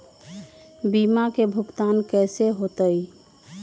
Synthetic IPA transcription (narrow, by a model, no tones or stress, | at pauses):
bimakebʱukt̪ankɛseɦot̪əj